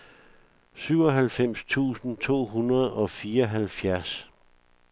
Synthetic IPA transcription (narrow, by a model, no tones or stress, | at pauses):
syʊɒ̽ɦælfem̰st͡sʰṵːsn̩t͡sʰo̝̰ːɦunɐð̩ˠɒ̽fiːɒɦælfjæɐs